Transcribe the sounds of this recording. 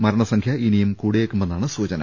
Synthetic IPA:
mɐɾɐɳɐsɐŋkʰjɐʔinijɐmkuːɽejekːumbenːaːɳɨsuːt͡ɕɐnɐ̰

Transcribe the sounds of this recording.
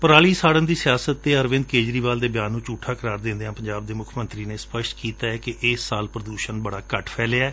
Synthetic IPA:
pəɾaːɭiːsaːɽənd̪iːsɪjaːsət̪ːeːəɾʋɪ̃nd̪̚keːd͡ʒɾiːʋaːld̪eːbjaːnːũːt͡ʃuːʈʰːaːkəɾaːɾd̪ɪ̃nd̪eːãːpəɲd͡ʒaːbd̪eːmʊkʰmə̃nt̪ɾiːnẽːspəʃkiːt̪aːɛːkɪʔɪːsːaːlpɾəd̪uːʃənbəɽaːkəʈʰpʰɛːleaɛː

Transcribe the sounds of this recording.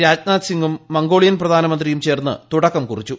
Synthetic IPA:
ɾaːd͡ʑnaːt̪siŋɡumːɐŋɡo̞ːɭijɐnprɐd̪ʱaːnɐmɐnd̪rijumt͡ɕe̞ːrnːɨ̰t̪uɽɐkːɐmkurit͡ɕːu

